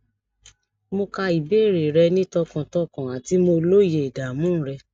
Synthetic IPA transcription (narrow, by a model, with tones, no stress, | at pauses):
mo˧ka˧i˨be˦˨ɾe˨ɾɛ˧nĩ˦tɔ˧kɔ̃˨tɔ˦kɔ̃˨a˨ti˨˦mo˧lo˦je˨da˨mũ˦ɾɛ˧